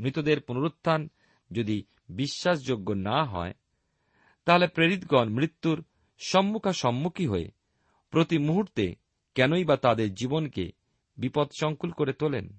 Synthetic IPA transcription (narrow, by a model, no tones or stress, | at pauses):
mɾit̪od̪eɾpunoɾot̪ʰːan | d͡ʑod̪i | biʃːaʃ̬d͡ʑoɡːonaɦɔ̰e | t̪aɦolepɾeɾit̪ɡɔnmɾit̪ːuɾ | ʃɔmːukʰaʃɔmːukʰiɦoḛ | pɾot̪imuɦuɾt̪ḛ | kɛnoibat̪ad̪eɾd͡ʑibonkḛ | bipɔd̪ʃɔŋkulkoɾet̪olḛn